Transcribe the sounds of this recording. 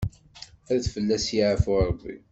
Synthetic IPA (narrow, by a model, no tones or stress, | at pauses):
æðθfəlːæsjiʕəfʊɾˤəbːḭ